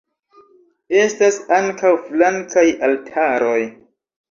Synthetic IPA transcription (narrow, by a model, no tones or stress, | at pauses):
e̞stasaŋkawflaŋkajaltʰaɾo̞j